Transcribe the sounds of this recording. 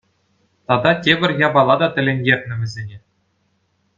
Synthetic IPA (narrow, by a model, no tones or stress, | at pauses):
t̪ɑd̪ɑtʲebʲɘ̆rʲjɑbɑlˠɑd̪ɑt̪ʲɘ̆lʲĕnʲɡʲerʲnʲɘ̆ʋʲɘ̆zʲenʲe